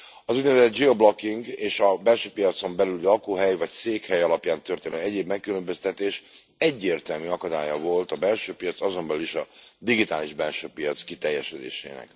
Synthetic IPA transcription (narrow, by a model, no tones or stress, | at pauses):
ɒzuɟ̪nɛvɛzɛd̪̚d͡ʒiɒblokːiŋɡeːʃɒbɛlʃøːpijɒt̪so̞mbɛlyllɒkuːɦɛjvɒcseːkhɛjɒlɒpjaːnt̪ø̞rt̪eːnɛɟeːbmɛkːylø̞mbø̞st̪ɛt̪eːʃ | ɛɟːeːrt̪ɛlmyɒkɒd̪a̰ːjɒvo̞lt̪ɒbɛlʃøːpijɒt̪sɒzo̞mbɛlyliʃɒd̪iɡit̪aːliʒbɛlʃøːpijɒt̪skit̪ɛjːɛʃød̪ḛːʃḛːnɛ̰k